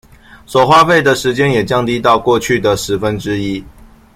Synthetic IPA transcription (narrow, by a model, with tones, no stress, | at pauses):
ʂo˨˩xwa˥˧fe˥˩ɪd̪ə˨ʂɻ̩˨˥t͡ɕjɛ˦˥njɛ˨˩t͡ɕjɑ˥˧ŋt̪i˥t̪ɑ˥˧ʊkwɔ˥˧t͡ɕʰy˥˩d̪ə˩ʂɻ̩˨˦fə˦nʈ͡ʂɻ̩˥i˦˥